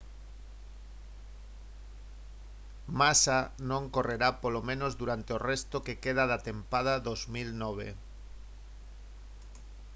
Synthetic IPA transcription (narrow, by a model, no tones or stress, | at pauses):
masanõŋkoreɾapolomẽnozðuɾant̪eorest̪okekeð̞aðat̪empað̞aðozmilnɔβ̞ḛ